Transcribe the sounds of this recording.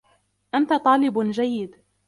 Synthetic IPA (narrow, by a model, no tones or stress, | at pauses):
ʔant̪at̪ˤɑːlɪbd͡ʒajːɪd̪